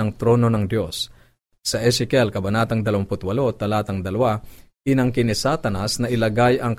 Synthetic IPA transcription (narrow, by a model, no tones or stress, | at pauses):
ɐŋt̪ɾo̞ːno̞nɐŋd̪jo̞s | sɐʔɛsɪkɛlkɐbɐnaːt̪ɐŋd̪ɐlɐwɐmpʊt̪wɐlo̞t̪ɐlaːt̪ɐŋd̪ɐlɐwa | ɪnɐŋkɪnɪsat̪ɐnɐsnɐʔɪlɐɡajɐŋk